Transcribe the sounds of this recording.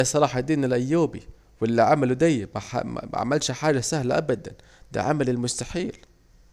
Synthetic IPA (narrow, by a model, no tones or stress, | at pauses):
æsˤɑɾˤɑːħɑd̪iːnɪlʔæjːuːbi | wɪlːiʕamælud̪æjːmæħa̰m̰æ̰ʕa̰mælʃħaːd͡ʒæsæhlæʔæbæd̪æ̰n | d̪æ̰ʕamælɪlmʊst̪aħiːl